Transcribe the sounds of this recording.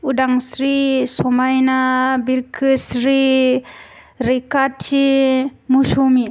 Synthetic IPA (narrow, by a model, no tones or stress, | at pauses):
udaŋsɾisɔmajnabiɾkʰɯsɾi | ɾikatt͡ʃimuʃumi